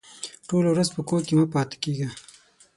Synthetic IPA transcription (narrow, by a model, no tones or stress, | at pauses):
ʈolawɾazpəkokemapɑːt̪e̥keɡa